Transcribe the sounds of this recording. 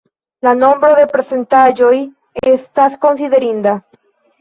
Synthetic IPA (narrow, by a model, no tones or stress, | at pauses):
lanõmbɾaðepɾesent̪ad͡ʒoj | est̪asko̞nsiðeɾind̪a